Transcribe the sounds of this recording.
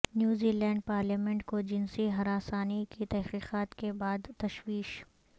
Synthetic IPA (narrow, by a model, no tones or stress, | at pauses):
njuːziːlɛ̃ːɳɖ̚paːɾljaːmɛ̃ɳʈkod͡ʒɪnsiɦɐɾaːsaːnikit̪ɛɦqiːqaːt̪kebaːd̪t̪ɐʃwiːʃ